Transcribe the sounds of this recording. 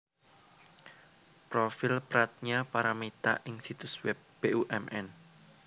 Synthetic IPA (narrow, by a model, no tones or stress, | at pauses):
pɾofɪlpɾat̪̚ɲapaɾamet̪a̰ʔɪŋsit̪ʊswɛp̚b̥eʔuʔɛmʔɛn